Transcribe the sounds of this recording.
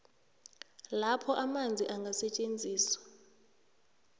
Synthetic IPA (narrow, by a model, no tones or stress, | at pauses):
lapʰɔʔamand͡zʱiʔaŋɡʱasɛt͡ʃʼend͡zʱiːswḁ